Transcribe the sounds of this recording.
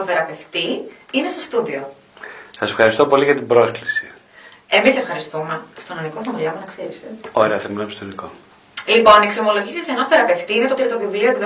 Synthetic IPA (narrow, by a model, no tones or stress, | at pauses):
toθe̞ɾɐpe̞ft̪iinesest̪uðio̞ | sɐse̞̥fxɐɾist̪opo̞liɣɐt̪ibɾo̞sklisi̥ | e̞misefxɐɾist̪umest̪onɐnikot̪omoʎɐmɐnɐkseɾiseoɾeɐθɐminɐmst̪oiniko | lipo̞neksomo̞lo̞ʝisit̪iseno̞sθe̞ɾɐpe̞ft̪iinet̪ot̪ɾiɐt̪ovivlio̞epiðo